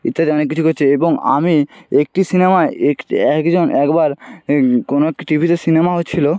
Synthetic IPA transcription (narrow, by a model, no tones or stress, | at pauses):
it̪ːat̪ɔnekːit͡ɕʰukotːt͡ɕʰeeboŋa̰miek̚ʈisinemaeekʈiɛkd͡ʑonʔɛkbaɾ | konoɛk̚ʈiʈibʱit̪esinemaɦotːɕʰilo